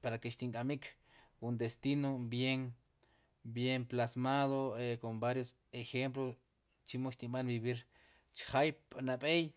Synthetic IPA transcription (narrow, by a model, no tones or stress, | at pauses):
paɾakeʃt̪iŋkʼamik | kund̪est̪inobjeŋ | bjemplasmaðoekombaɾjos | exemp̬lo | t͡ʃimoʃt̪iɓanbiβiɾ | t͡ʃχajpnaɓej